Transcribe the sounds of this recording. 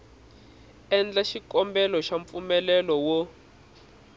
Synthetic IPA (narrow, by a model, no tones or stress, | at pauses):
ɛnd͡ɮaʃikɔmbɛlɔʃaɱp̪fumɛlɛlɔwɔ